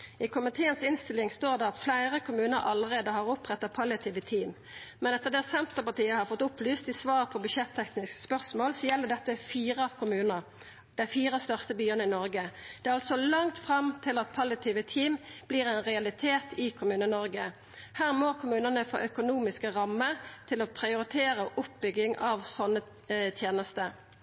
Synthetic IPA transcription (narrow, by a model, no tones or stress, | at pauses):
ɪkʰʊmɪt̪ʰeːənsɪnst̪ɪlɪŋst̪oːʁd̪ɛɑt̪flæɪʁəkʰʊmʉːnəɾɑlːəʁeːd̪əhɑʁʊpʁɛt̪ːɑpʰɑljɑt̪ʰiːʋət̪ʰiːm | mɛnɛt̪ːəʁd̪ɛsɛnt̪əʁpɑt̪iːəhɑʁfɔt̪ːʊplyːst̪ɪsʋɑːʁpʰɔbʉʃɛt̪ʰːɛknɪskspœʁsmoːlsɔjɛlːəʁd̪ɛt̪ːəfiːʁəɑʋkʰʊmʉːnəʁ | d̪̥æɪfiːʁəst̪œʁst̪əbyːənəɪnɔʁɡəd̪̥ɛɑlsɔlɑŋt̪fʁɑmt̪ʰɪlɑt̪̚pʰɑlɪɑt̪ʰiːʋət̪ʰiːmb̥liːʁɛnʁɛɑlɪt̪ʰeːt̪ʰɪkʰʊmʉːnəɪnɔʁɡə | hæːʁmoːkʰʊmʉːnənəfo̰ːʔœkʊnuːmɪskəʁɑmːəɾt̪ʰɪlɔpʰɾɪʊɾɪt̪ʰeːʁəʔʊp̚bʏɡɪŋʔɑʋsɔnːə | t̪ʰjeːnəst̪ə